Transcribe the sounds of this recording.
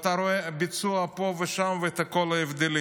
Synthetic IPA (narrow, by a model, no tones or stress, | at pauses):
t̪aɾoebit͡suapoveʃamveet̪akolaevd̪eli